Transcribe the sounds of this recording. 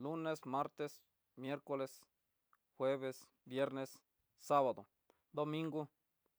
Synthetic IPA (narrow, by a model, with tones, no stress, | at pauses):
lu˦ne˦sma˦ɾt̪e˦s | mje˦ɾko˦le˦s | xwe˦βe˧s | bje˦ɾne˧sː | a˦βa˨d̪o˨ | d̪o˧mĩ˦ŋɡo˦